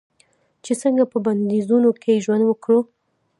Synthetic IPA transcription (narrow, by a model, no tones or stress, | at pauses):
t͡ʃesəŋɡapəband̪izunokʰeʒwand̪wəkɽo